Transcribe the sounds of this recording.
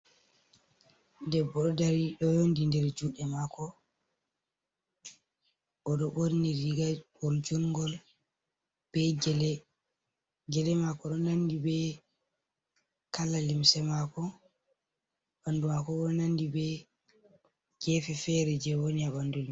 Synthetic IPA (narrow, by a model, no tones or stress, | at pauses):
dɛbːɔɗɔdaɾiɗɔjondindɛɾd͡ʒuɗɛmakɔ | ʔɔɗɔɓoɾniɾiɡaɓold͡ʒuŋɡɔl | b̥ɛd͡ʒlɛ | ɡɛlɛmakɔɗɔnandibɛ | kalalimsɛmakɔ | ɓandumakɔɓɔɗɔnandibɛ | ɡɛfɛfɛɾɛd͡ʒɛwoniaɓandulim